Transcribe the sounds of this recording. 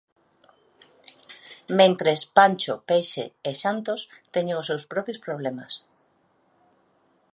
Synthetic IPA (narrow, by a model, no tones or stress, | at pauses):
mẽnt̪ɾespant͡ʃopejʃḛeʃant̪ost̪ɛɲeŋʊsewspɾɔpjospɾoβ̞lemɐs